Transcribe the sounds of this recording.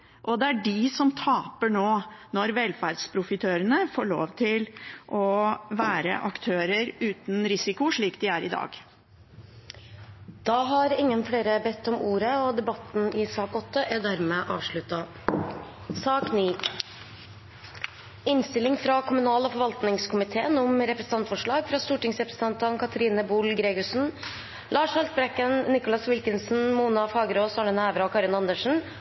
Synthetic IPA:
ʔɔd̪ɛæɖɪsɔmt̪ʰɑːpəɳoːnɔɾʋɛlfæɾɖspʰɾʊfɪt̪ʰøːɾənəfoːɭo̰ːʋt̪ʰɪlʔɔʋæːɾə̰ʔɑkt̪ʰøːɾəɾʉːt̪nɾɪsɪkʊʂɭiːk̚d̪ɪæɾɪd̪ɑ̰ːɡ | d̪̥ɑːɦɑɾɪŋːənfɽeːɾəbɛt̪ʰːɔmuːɾəɔd̪ɛbɑt̪n̩ɪsɑːkɔt̪ːəʔæd̪æɾmeːʔɑːʋʂɭʉt̪ːɑ | sɑːkniː | ɪnst̪ɪlɪŋfɾɑkʰʊmʉnɑːlɔfɔɾʋɑlt̪nɪŋskʰʊmɪt̪ʰeːənɔmɾɛpɾəsən̩ɑnt̪fɔʂɭɑːɡfɾɑːst̪uːʈɪŋsɾɛpɾə̥səɑnt̪ɑnkʰɑt̪ʰəɾiːnəbulɡɾeːɡʊʂn̩ | lɑːʂhɑlsbɾɛkənnɪkʊlɑsʋɪlkənsn̩muːnɑfɑːɡəɾoːsɑɳənæːʋɾɑɔkʰɑɾɪnɑnd̪əʂɳ̩

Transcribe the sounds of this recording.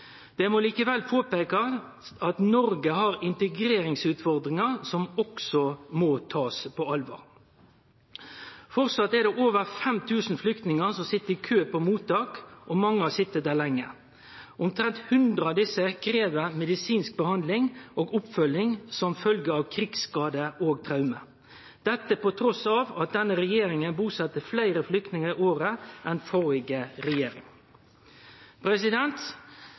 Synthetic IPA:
d̪̥ɛmɔliːkəʋɛlpʰoːpeːkɑ | ɑt̪nɔɾɡəɦɑʁɪnt̪əɡɾeːɾɪŋsʉːt̪fɔʁd̪ʁɪŋɑʁsɔmɔksɔmɔt̪ʰɑːspʰɔɑlʋɑ̰ːʁ | fɔʁsɑt̪ːɛɾd̪ɛʔoːʋəʁfɛmt̪ʰʉːsn̩flʏkt̪nɪŋəsɔmsɪt̪ːəɾɪkʰøːpɔmuːt̪ːɑːkʔɔmɑŋːəɑsɪt̪ːəd̪æːʁlæŋːə | ʔʊmt̪ʰɾɛnt̪hʉnd̪ɾəɑd̪ɪsːəkʰɾeːʋəmɛd̪ɪsiːnsk̚bəhɑnd̪lɪŋʔoːɡʊpfœlɪŋsɔmfœlɡəɑʋkʰɾɪɡskɑːd̪əoːɡt̪ʰɾɑʉmə | d̪̥ɛt̪ːəpɔt̪ʰɾɔsɑːʋɑt̪̚d̪ɛnːəɾɛjeːɾɪŋənbuːsɑt̪ːəflæɪɾəflʏkt̪nɪŋəɾɪoːɾəʔɛnfɔɾɪɡəɾɛjeːɾɪ̰ŋ | pʰɾɛsɪd̪ɛnt̪

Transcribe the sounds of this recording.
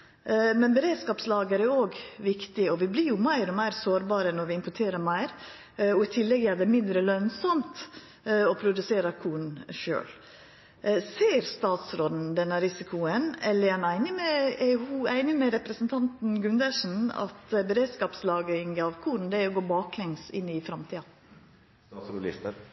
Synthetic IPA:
mɛnbɛɾeːd̪skɑːpslɑːɡəɾɛoːɡʋɪkt̪ɪɔʋɪblɪɾjʊmæɪɾɔmæɪɾsoːɾbɑːɾənɔɾʋɪɪmpʊʈʰeːɾəɾmæɪɾ | ɔɪt̪ʰɪlːɛɡæd̪ɛmɪnd̪ɾəlœnsɔmt̪ | ɔpʰɾʊd̪ʉseːɾəkʰuːɾ̩ʃø̰ːl | seːɾst̪ɑːt̪sɾoːd̪n̩d̪ɛnːəɾɪsɪkʰʊənɛlːəɾɛnæɪnɪmɛhuæɪnɪmɛɾɛpɾəsnt̪ʰɑnt̪nɡʉnd̪əʂn̩ɑ̰t̪bɛɾeːd̪skɑːpslɑːɡɾɪŋɑʋkʰuːɾn̩d̪ɛæɾɔɡoːbɑːklɛŋsɪ̰nːɪfɾɑmt̪ʰiːɑ | ɾʊɪ̰st̪ə

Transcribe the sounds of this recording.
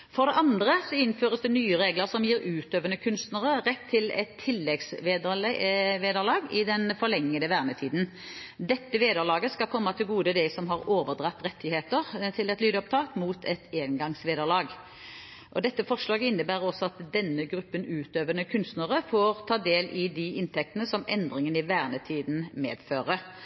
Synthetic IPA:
fɔʁd̪ɛʔɑnd̪ʁəsɔɪnføːʁəsd̪ɛnyːəʁeːɡləʁsɔmjiːɾʉːt̪øːʋənəkʰʉnst̪nəʁəʁɛt̪ʰːɪlɛ̰t̪ʰːɪlːɛɡsʋeːd̪əlʋeːd̪əlɑːɡɪd̪ɛnfɔʁɭɛŋːəd̪əʋæːʁmət̪ʰiːd̪n̩ | d̪ɛt̪ːəʋeːd̪əʁlɑːɡəskɑlkʰɔmːɑt̪ʰɪlɡuːd̪əd̪ɛsɔmɦɑʁoːʋəʁd̪ʁɑt̪ːʁɛt̪ʰːɪheːt̪əʁt̪ʰɪlɛt̪lyːd̪əɔp̚t̪ʰɑːkmuːt̪ʰɛt̪eːnɡɑŋsʋeːd̪əʁlɑːɡ | ʔɔd̪ɛt̪ːəfɔʁʂlɑːɡəɪnːəbæːʁəɔsːɔɑt̪d̪ɛnːəɡɾʉpːənʉːt̪øːʋənəkʰʉnst̪nəʁəfoʁt̪ʰɑːd̪eːlɪd̪ɪʔɪnt̪ʰɛk̚t̪ənəsɔmʔɛnd̪ʁɪŋənɪʋæːʁnət̪ʰiːd̪n̩mḛːd̪føːʁə

